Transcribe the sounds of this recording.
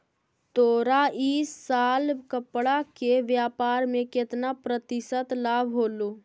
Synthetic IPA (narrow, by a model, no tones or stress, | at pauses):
t̪oːɾaiːsːaːlkəpɽakeʋjaːpaːɾmẽkɪt̪napɾət̪ɪsət̪laːbʱɦoːloː